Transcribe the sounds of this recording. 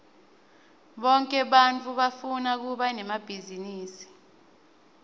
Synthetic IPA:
ɓɔŋkʼɛɓant͡fʰʼuɓafunak̬uɓanɛmab̥ʱiziniːsi̥

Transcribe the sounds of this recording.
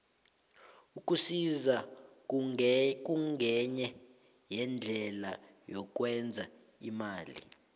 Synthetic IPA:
ukʼusiza | k̬uŋɡʱɛɲɛ | jɛnd͡ɮʱɛla̰ | jɔk̬ʼwɛnd͡zʱa | imaːlḭ

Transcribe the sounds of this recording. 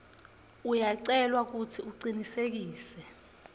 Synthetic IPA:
ujaǀɛlwak̬utʰiuǀinisek̬iːsɛ

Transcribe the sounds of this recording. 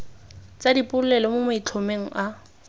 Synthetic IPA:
t͡sadipʼʊlʊlɛlɔmʊmait͡ɬʰomeŋ̩ʔa

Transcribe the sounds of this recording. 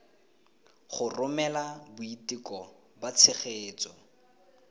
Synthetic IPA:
χʊrʊmɛlabʊitikɔ | bat͡sʰɪχeːt͡sɔ

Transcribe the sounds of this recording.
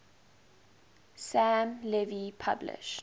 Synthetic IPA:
sæ̃mlɛvipʰablɪ̰ʃt

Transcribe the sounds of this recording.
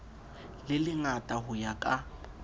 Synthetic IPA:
lɪlɪŋatʼaɦʊjakʼa

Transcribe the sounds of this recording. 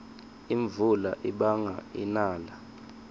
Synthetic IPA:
iɱvulaʔiɓaŋa̰inaːla

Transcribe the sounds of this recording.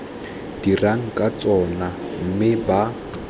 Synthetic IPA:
d̥iraŋ̩kʼat͡sʼɔnam̩mɪba

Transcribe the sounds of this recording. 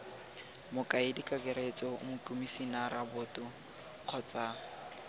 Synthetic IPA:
mʊkʼaɪdikʼakʼeɾet͡sʼɔmʊkʼumisinaɾabʊtʼʊ | q͡χʰɔt͡sʼa

